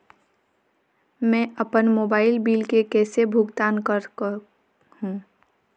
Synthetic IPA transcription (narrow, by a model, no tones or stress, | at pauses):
mɛ̃əpənmoːbaːɪlbiːlkekɛːsebʱʊɡt̪aːnkəɾ | hũː